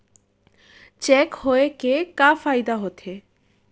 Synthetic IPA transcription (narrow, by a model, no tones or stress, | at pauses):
t͡ɕɛkhoekekafajd̪aɦot̪ʰe